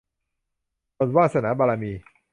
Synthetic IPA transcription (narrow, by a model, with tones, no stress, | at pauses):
o˧nwaː˥˩sa˧naː˩˦baː˧laː˧miː˧